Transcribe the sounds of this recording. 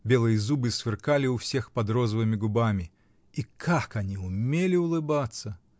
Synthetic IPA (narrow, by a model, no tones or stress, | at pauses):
bʲelˠɨjəzubɨsvʲɨrkalʲɪʊfsʲexpɐd̪ɾɔzəvɨmʲɪɡʊbamʲɪ | ikʰakanʲiʊmʲelʲɪʊlˠɨbat̪sːə